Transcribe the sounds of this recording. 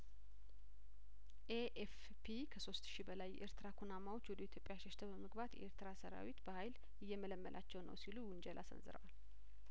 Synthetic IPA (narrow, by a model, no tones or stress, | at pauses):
ʔeʔef | pʰikʰəso̞st̪ʃibəlajʔeɾt̪ɨɾakʰunamawo̞t͡ʃːwɔd̪əit̪ʰjo̞pʼjaʃɛʃt̪ʰəbəməɡbat̪jʔḛɾt̪ɨɾasəɾa̰wit̪bəhajl | ɨjːɛmələmːəlʔat͡ʃːɛwnə̰wsiluwʊnd͡ʒɛlʔasə̰nzɨ̰ɾə̰wal